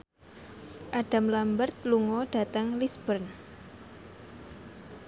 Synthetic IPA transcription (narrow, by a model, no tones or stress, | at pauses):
ʔaɖ̥a̤mlambərt̪̚luŋɔɖ̥a̤t̪əŋlisb̥ərn